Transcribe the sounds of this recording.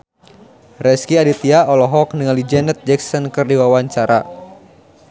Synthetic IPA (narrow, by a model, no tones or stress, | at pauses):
rɛskiadit̪iaʔɔlɔɦɔk̚niŋalid͡ʒɛnət̪̚d͡ʒɛksɔnkɨrdiwawaɲt͡ʃaɾa̰